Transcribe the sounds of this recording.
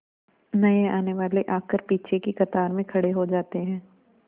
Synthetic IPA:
nɐeaːneʋaːleʔaːkəɾpiːt͡ʃʰekikɐt̪aːɾmẽkʰɐɽeɦod͡ʒaːt̪eɦɛ̃ː

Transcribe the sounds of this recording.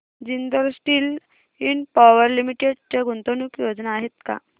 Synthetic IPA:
d͡ʑind̪əɾsʈiːl | inpaʋəɾlimiʈeɽt͡seɡʱunt̪onukjod͡znaːɦet̪ka̰

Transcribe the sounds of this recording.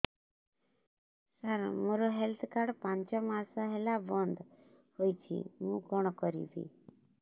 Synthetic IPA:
saɾmoɾɔɦɛlt̪ʰkaɽpãnt͡ʃɔmaːsɔɦɛlabɔnd̪ʱ | hojt͡ʃʰḭmũːkɔɽ̃kɔɾḭbḭ

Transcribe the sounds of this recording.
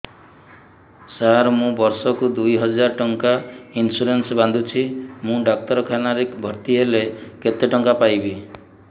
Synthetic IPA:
saɾmũbɔɾsɔkud̪ujɦɔd͡ʒaɾɔʈɔŋkainsuɾensband̪ʱut͡ʃʰimũɖak̚t̪ɔɾɔkʰanaɾekbʱɔɾt̪iɦeleket̪eʈɔŋkapajbi

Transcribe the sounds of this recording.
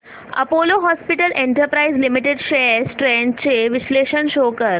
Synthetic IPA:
ɐ̰poloɦɔspiʈəlʔẽɳʈəɾpɾaizlimiʈeɖʃeːsʈɾẽɳʈt͡ɕeʋisleɕənʃoːkəɾ

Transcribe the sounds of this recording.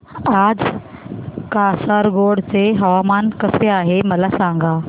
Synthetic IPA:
aːd͡z | kasaɾɡoɽt͡seɦəʋamaːnkəseaːɦeməlasãŋɡʱaː

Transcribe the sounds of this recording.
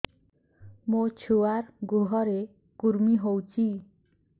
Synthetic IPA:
mot͡sʰuwarɡuɦʌɾe | kuɾmiɦowt͡sʰi

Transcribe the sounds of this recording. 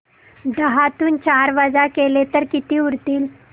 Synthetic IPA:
d̪əɦat̪uːnt͡ɕaɾʋad͡zakelet̪əɾkit̪iːuɾt̪iːl

